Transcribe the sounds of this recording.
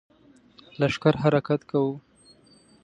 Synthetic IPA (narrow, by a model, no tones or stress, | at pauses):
laʂkaɾɦaɾakat̪kawu